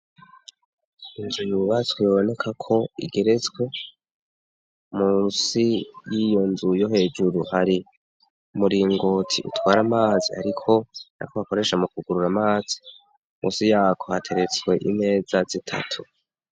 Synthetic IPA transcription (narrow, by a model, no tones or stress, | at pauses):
inzujuβatwioβo̞ne̞kʰakʰo̞ḭɡe̞ɾe̞t͡swe̞ | muːnsijijo̞nzujoɦe̞ːd͡ʒuɾuhaɾi | muɾiŋɡotʰiʔṵtwaːɾamaːziha̰ɾikʰo̞na̰kohako̞ɾe̞ʃamukuɡuɾuɾamaːz̥i̥ | mʔṵːnsijaːkʰo̞hatʰe̞ɾe̞t͡swe̞ʔine̞ːzazitʰa̰tʰu